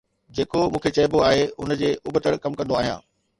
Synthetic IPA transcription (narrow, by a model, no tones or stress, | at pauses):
d͡ʑeːkomũːkʰet͡ɕɐːɪboaːɦeʊnə̆d͡ʑeːʔʊbət̪əɽkɐmkɐ̃nd̪oaːɦijã̰ː